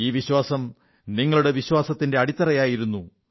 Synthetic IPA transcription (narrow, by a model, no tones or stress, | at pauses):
iːʋiɕwaːsɐm | niŋːɐɭuɽe̞ʋiɕwaːsɐt̪ːinde̞ɐɽit̪ːɐrɐjaːjiɾunːu